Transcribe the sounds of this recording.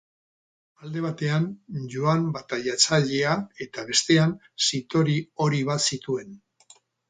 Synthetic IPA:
ald̪e̞β̞at̪e̞anʝuambat̪ajat͡saʎe̞ae̞t̪aβ̞e̞st̪e̞an | sit̪o̞ɾio̞ɾiβasit̪ue̞n

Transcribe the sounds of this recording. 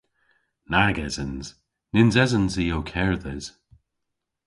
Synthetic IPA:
naːɡɛzənz̥ | nɪnzɛzənziːowkʰɛɹðɛz̥

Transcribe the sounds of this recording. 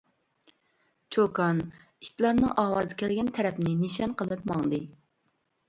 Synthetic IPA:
t͡ʃʰokɑn | i̥ʃt̪lˠɑɾnɨŋʔɑːwɑːzɨkʲʰɛlɡʲɛnt̪ʰɛɾɛpnɪniʃɑnqəlˠɨpmɑŋd̪ɨ

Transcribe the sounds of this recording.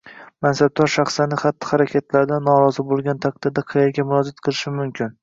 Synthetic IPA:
mansab̚d̪ɒɾʃaχsanɪχat̪ːɪ̥χaɾakʲʰat̪ʰlaɾd̪anːɒɾɒzɪbolˠɡʲant̪ʰaq̚d̪ɪɾd̪aqʰɨjaɡʲamʊɾɒd͡ʒat̪̚qʰɨlˠɪʃɪmʊmkʲʰɪn

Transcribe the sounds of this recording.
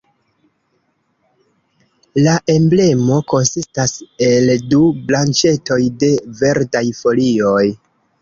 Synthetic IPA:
laʔe̞mble̞mo̞ko̞nsistase̞ldublant͡ʃe̞to̞jde̞ve̞ɾdajfo̞lio̞j

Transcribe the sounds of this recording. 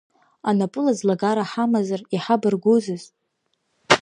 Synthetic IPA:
anapʼɨlazlaɡaɾaħamazariħabɨrɡʷuzɨz

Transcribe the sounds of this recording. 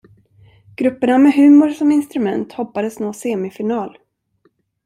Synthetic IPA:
ɡ̥ɾɵpːəɳamɛɦʉ̟ːmʊɾsɔmɪnst̪ɾɵmɛnt̪hɔpːad̪əsnoːseːmɪfɪnɑːl

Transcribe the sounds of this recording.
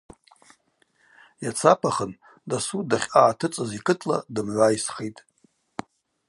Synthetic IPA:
jat͡sʰapʰaχən | dasudaχʲaːtʰɨt͡sʼɨzikʰʼɨtʰʼla̰dɨmʕʷajisχetʼ

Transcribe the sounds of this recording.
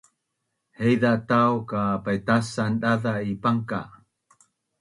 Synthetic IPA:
hejdatawkapajtasanɗaðaipaŋka

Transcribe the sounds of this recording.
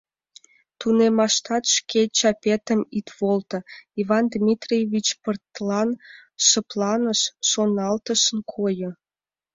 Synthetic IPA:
t̪unemɑʃt̪ɑt̪ʃket͡ɕɑpʲet̪əmit̪βolt̪ə̆ivɑnd̪mʲit̪rʲievʲit͡ɕpərt̪lɑnʃəplˠɑnəʃːonɑlt̪əʃənkʰojə̆

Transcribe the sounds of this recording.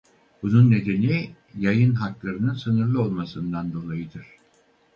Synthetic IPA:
b̥ununːe̞d̪e̞ni | jajɯnɦaklˠaɾɯnɯnsɯnɯɾlˠɯo̞lˠmasɯnd̪and̪o̞lˠajɯd̪ɯɾ̥

